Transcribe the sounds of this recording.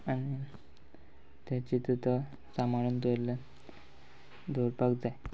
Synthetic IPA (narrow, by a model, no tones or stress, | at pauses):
añi | t̪at͡ɕit̪ut̪ə | samaɭuːnt̪ole | d̪ʱoɾpaɡd͡zaj